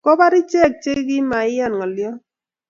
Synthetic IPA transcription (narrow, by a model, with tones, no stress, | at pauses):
kɔ˦ba˦ɾɪ˦t͡ʃɛ˦˨k̚t͡ʃe˦ɡɪ˦ma˨ɪ˦ja˦˨nŋɔ˨ljɔ˦